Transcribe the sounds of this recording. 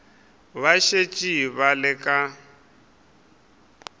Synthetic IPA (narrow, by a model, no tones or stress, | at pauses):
βaʃet͡ʃʼiβalɪkʼa